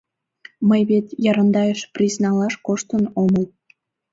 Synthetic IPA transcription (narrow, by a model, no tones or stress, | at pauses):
məjβet̪jɑɾɑnd̪ɑjəʃprʲiznɑlɑʃkoʃt̪ənoməl